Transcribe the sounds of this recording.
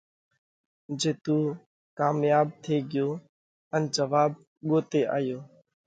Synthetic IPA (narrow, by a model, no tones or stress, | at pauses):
d͡ʒeːt̪uː | kaːmjaːb̚t̪ʰeːɡɪjoː | ənd͡ʒəʋaːb | ɠoːt̪eːʔa̰ːjoː